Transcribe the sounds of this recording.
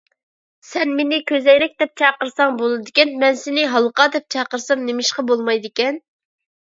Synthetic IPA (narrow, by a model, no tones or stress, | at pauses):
sɛnmenɪkʲʰøzɛjɾɛk̚ʲd̪ɛp̚t͡ʃʰɑqəɾsɑŋbolˠɨd̪ɪkʲɛnmɛnsɪnɪɦɑlˠəqɑd̪ɛp̚t͡ʃʰɑqəɾsɑmnemɪʃqɑbolˠmɑjd̪ɪkʲɛn